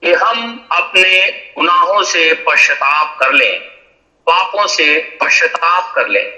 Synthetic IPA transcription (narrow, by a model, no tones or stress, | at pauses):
keɦɐmɐpneɡʊnaːɦõsepɐʃət̪aːfkɐɾlḛ̃ː | paːpõsepɐʃət̪aːfkɐɾlḛ̃ː